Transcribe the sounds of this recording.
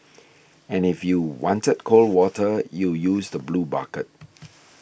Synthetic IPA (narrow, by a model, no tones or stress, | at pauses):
ɛ̃nɪfjuwɔ̃ntəd̚kʰolwɔtʰəjujuːsdəbluːba̰kət̚